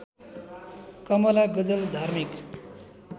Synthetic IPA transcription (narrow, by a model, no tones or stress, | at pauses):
kʌmʌlaɡʌd͡zʌld̪ʱarmik